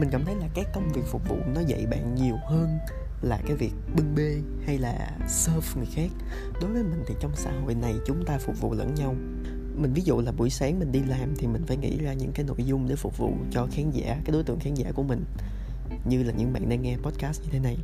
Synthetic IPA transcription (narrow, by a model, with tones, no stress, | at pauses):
mi̟˨˩a̰ː˧˩mt̪ʰə˨˦jlaː˨˩kaː˨˦˥kkə˧wŋ͡mvi˨˩k̚fʊ˨˩k͡p̚vṵ˧˨nɔ˨˦zə̰˧˨jɓa̰ː˧˨nɲi˨˩əwhəː˧n | laː˨˩kaː˨˦jvi˨˩ək̚ɓɨ˧ŋɓe˧ | ha˧jlaː˨˩ | səː˧˦fŋɨ˨˩əjxaː˦˥k̚ | ɗo˨˦və˨˦jmï˨˩ŋ̟t̪ʰi˨˩t͡ɕɔ˧wŋ͡msa̰ː˧˥ɦo̰˧˨jna˨˩jt͡ɕʊ˨˦ŋ͡mt̪aː˧fʊ˨˩k͡p̚vṵ˧˨lə̰˧˥nɲa˧w | mï˨˩ŋ̟vi˨˦zṵ˧˨laː˨˩ɓu˧˩əjsaː˨˦ŋmï˨˩ŋ̟ɗi˧laː˨˩mt̪ʰi˨˩mï˨˩ŋ̟faː˧˦jŋḭ˧˥zaː˧ɲɨ̰˧˥ŋkaː˨˦jno̰˧˨jzʊ˧ŋ͡mɗe˧˩fʊ˨˩k͡p̚vṵ˧˨t͡ɕɔ˧xaː˨˦nza̰ː˧˥kaː˨˦jɗo˨˦jt̪ɨ̰˧˨əŋxaː˨˦nŋza̰ː˧˩ku˧˩əmï˨˩ŋ̟ | ɲɨ˧laː˨˩ɲɨ̰˧˥ŋɓa̰ː˧˨nɗaː˧ŋɛ˧pɔ˦˥t̚kaː˦˥st̚ɲɨ˧t̪ʰe˨˦na˨˩j